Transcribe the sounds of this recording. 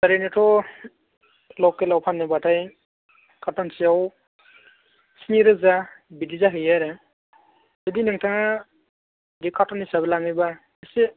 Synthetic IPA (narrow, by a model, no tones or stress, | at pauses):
aɾenetʰɔ | lɔwkelawpʰanːebatʰaj | kʰatʰansiaw | siniɾɯzabidizaɦɯjaɾɯ | zɯdinɯŋtʰaŋa | dikʰatʰɔnhisabɛlaŋɯjba | ɯse